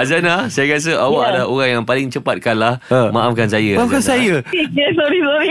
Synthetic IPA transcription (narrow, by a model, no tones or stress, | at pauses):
azanahsajakias̬əʔawaʔadlaoɾaŋjaŋpalɪŋt͡ʃəpat̪̚kanlahəmaʔafkansajaaafkansajaikesoɾisoɾi